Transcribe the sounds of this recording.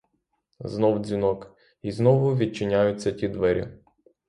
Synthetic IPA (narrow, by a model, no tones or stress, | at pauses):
znɔwd͡zʲinɔk | iznɔʋʊʋʲid̪̚t͡ʃɪnʲajʊt͡sʲːɐtʲid̪ʋɛɾʲḭ